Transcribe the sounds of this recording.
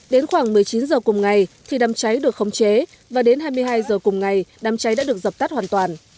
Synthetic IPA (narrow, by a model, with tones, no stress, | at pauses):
ɗe˨˦nxwaː˧˩ŋmɨ˨˩əjt͡ɕi˨˦nzəː˨˩kʊ˨˩ŋ͡mŋa˨˩jt̪ʰi˨˩ɗaː˨˩mt͡ɕa˨˦jɗɨ˨˩ək̚xə˧wŋ͡mt͡ɕe˨˦ | vaː˨˩ɗe˨˦nɦaː˧jmɨ˧əjɦaː˧jzəː˨˩kʊ˨˩ŋ͡mŋa˨˩jɗaː˨˩mt͡ɕa˨˦jɗa̰ː˧˥ɗɨ˨˩ək̚zə˨˩p̚t̪a˦˥t̚hwaː˨˩nt̪waː˨˩n